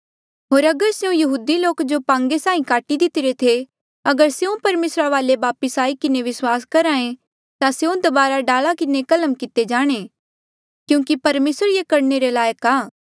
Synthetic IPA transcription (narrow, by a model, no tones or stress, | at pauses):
ɦoːɾɐɡəɾseũjɐɦuːd̪iloːkd͡ʒopãːŋɡesaːĩkaːʈid̪ɪt̪ɪɾet̪ʰe | ɐɡəɾseũpɐɾmeːsɾaʋaːleʋaːpəsaːikɪneʋɪswaːskɐɾaːẽ | t̪aseũd̪ɐbaːɾaɖaːlakɪnekɐləmkɪt̪ed͡ʒaːɽ̃e | kjũːkipɐɾmeːsəɾjekɐɾneɾelaːjəkaː